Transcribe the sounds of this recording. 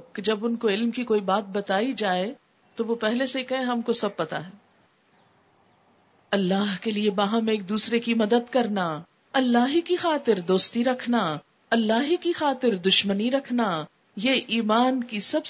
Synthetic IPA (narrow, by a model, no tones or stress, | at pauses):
kːd͡ʒɐbʊnkoɪlmkikoːibaːt̪̚bɐt̪aːid͡ʒaːe | t̪oʋopɛɦlesekɐɦẽɦɐmkosɐb̚pɐt̪a̰ɦɛː | ɐlːaːɦkeliebaːɦə̃meːk̚d̪uːsɾekimɐd̪əd̪kɐɾna | ɐlːaːɦikixaːt̪ɪɾd̪oːst̪iɾɐkʰna | ɐlːaːɦikixaːt̪ɪɾd̪ʊʃməniɾɐkʰna | jeʔiːmaːnkisɐb